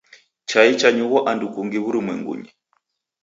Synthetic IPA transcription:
t͡ʃait͡ʃaɲuɣɔʔandukuŋɡiβuɾimwɛ̰ŋɡṵɲɛ

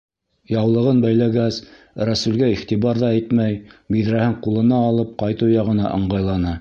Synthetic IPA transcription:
jɑwlˠɤ̆ʁɤnbæjlæɡæs | ɾæsʉlɡæiχt̪iβɑɾðɑæjt̪mæjbiðɾæhɘɴqulˠɤ̆nɑːlˠɤp̚qɑjt̪ɤwjɑʁɤ̆nɑ̰ʔɤ̰̆ɴɢɑjlˠɑnɑ

